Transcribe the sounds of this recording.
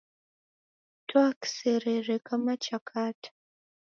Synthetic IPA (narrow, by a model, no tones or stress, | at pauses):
tʰoakseɾerekʼamat͡ʃʰʼakʰaːtʰʼ